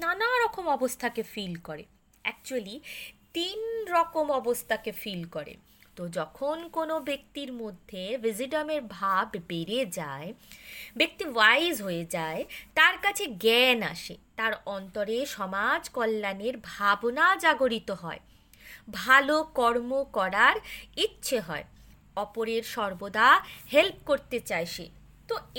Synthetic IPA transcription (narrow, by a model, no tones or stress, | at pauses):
nanaɾɔkomɔbost̪ʰakefilkɔɾḛ | ɛk̚t͡ɕualit̪inɾɔkomɔbost̪ʰakefilkɔɾḛ | t̪od͡ʑɔkʰonkonobek̚t̪iɾmod̪ʱːevid͡ʑiʈameɾbʱabbeɾed͡ʑaebek̚t̪iwajzɦoed͡ʑaet̪aɾkat͡ɕʰeɡɛna̰ʃḛt̪aɾɔnt̪oɾeʃɔmad͡ʑkɔlːaneɾbʱabnad͡ʑaɡoɾit̪oɦɔe | bʱalokɔɾmokɔɾaɾitːɕʰeɦɔ̰e | ɔpoɾeɾʃɔɾbod̪ʱahelp̚koɾt̪et͡ɕajʃḛ | t̪o